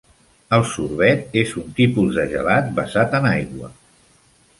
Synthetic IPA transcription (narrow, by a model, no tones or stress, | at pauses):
əlˠsuɾβɛt̪ezunt̪ipuzðəʒə̰lat̪̚bəzat̪ənajɣwə̰